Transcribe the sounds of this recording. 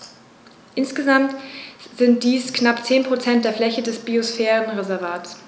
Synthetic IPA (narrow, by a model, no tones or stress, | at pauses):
ʔɪnsɡ̥əzamtz̥ɪnt̚d̥iːsknapt͡seːnpʁ̥ot͡sɛnt̚d̥eːɐflɛçədɛsb̥iosfɛːʁənʁezɛɐvaːts